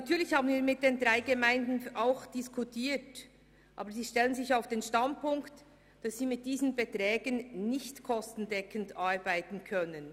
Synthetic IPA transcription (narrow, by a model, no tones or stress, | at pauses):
ntʰyːɐlɪçhaːbənviːmɪt̚d̥eːndʁaɪɡemaɪndn̩aʊxd̥ɪskʰutʰiːt | ʔa̰ːbəziːʃtɛlənzɪçaʊfd̥eːnʃtand̚pʊŋkt | d̥ɑsːiːmɪt̚d̥iːzən̩bɛtʁɛːɡənnɪçtkʰɔstn̩dɛkəndɑɹbaɪtn̩kʰœnən